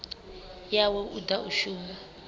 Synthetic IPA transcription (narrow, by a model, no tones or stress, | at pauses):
jawɛʔṵdauʃuːma